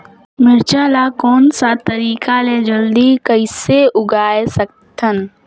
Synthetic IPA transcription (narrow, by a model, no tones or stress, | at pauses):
mɪɾt͡ʃaːlakoːnsat̪əɾiːkaled͡ʒəld̪ikəɪseʔʊɡaːesək̚ | t̪ʰən